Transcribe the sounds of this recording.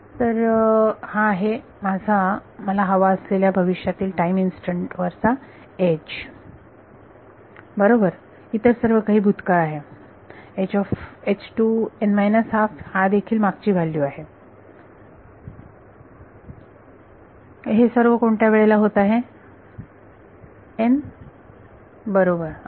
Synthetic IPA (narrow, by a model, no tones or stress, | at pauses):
t̪əɾhaːɦe | mad͡zʱaməlaɦəʋaəsleljabʱəʋiʂjat̪iːlʈaiminsʈəɳʈʋəɾt͡sa | ed͡ʑ | bəɾobəɾ | it̪əɾsəɾʋəkaɦiːbʱud̪kəaɦe | ed͡ʑɔfet͡ɕʈuɛɳmajnəsɦafhad̪ekʰiːlmaɡ̚t͡ɕiːbʱalːiːaɦe | ɦesəɾʋəkoɳʈjaʋeɭelaɦot̪aɦe | en | bəɾobəɾ